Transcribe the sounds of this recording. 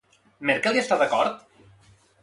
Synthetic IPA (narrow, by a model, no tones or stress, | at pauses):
meɾkelˠiest̪aðəkɔɾt̪